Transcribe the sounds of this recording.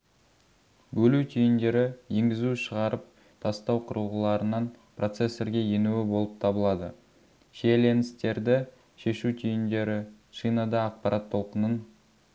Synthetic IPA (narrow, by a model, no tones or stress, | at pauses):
bɵlut̪ʲʰijɪnd̪e̞ɾɪjeŋɡʲɪzuʃəʁɑɾəp̚ | t̪ʰɑst̪ɑwqʰʊɾuʁəlˠɑɾənɑnpro̞t̪se̞sːe̞ɾɡʲe̞je̞nuɪbo̞lˠəp̚t̪ʰɑbəlˠɑd̪ə | ʃele̞nɪst̪e̞ɾd̪ɪ | ʃe̞ʃut̪ʰijɪnd̪e̞ɾɪ | ʃijnɑd̪ɑːq̚pɑɾʔɑt̪ʰːo̞lˠqənən